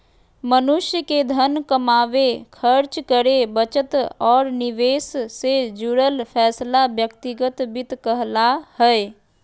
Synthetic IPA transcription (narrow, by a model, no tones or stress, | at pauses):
mənʊʃjəked̪ʱənkəmaːʋekʰəɾt͡ʃkəɾebət͡ʃət̪ɔːɾnɪʋeːsːed͡ʒuɾəlpʰɛːslabjəkt̪ɪɡət̪bɪt̪kəɦlahɛɛ